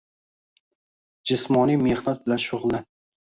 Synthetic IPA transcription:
d͡ʒɪsmɒnijmehnat̪̚bɪlanʃʊʁlˠan

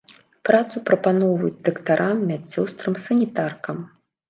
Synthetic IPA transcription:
pɾat̪supɾɐpanɔvɐjud͡zʲd̪ɐkt̪aɾʔamːʲat͡sʲːɔwst̪ɾɨmsɐnʲit̪arkɐm

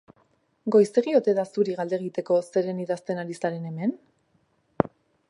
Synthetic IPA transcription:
ɡo̞jseɣio̞t̪e̞ðasuɾiɣald̪e̞ɣ̞it̪e̞ko̞se̞ɾe̞niðast̪e̞naɾisaɾe̞ne̞me̞n

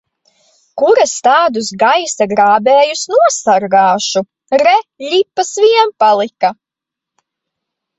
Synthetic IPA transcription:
kuɾast̪aːd̪usɡajsaɡɾaːbeːjusnuɔsaɾɡaːʃu | ɾɛʎʲipːasviɛmpalˠika

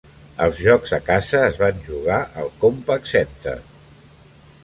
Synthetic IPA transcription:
əlˠzʒɔkɡz̥əkazəːzβanʲʒuɣ̞aʔəlˠkompəksɛnt̪ə̰

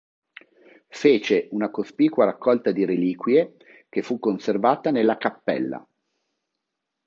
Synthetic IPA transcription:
feːt͡ʃeunakospiːkwaɾakːɔlt̪ad̪iɾeliːkwje | kefːukːonservaːt̪anelːakapːɛ̰lːa̰

